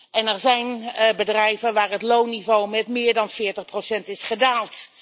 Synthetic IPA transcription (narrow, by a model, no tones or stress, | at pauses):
ɛnɛɹzɛjnbədrɛjvənʋaːrɦətlownivowmɛtmɪːɹdɑnfɪːɹtəχprowsɛntɪsχədaːlˠt